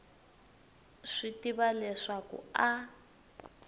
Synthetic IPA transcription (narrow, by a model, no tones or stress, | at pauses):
ʂitiβalɛʂakṵa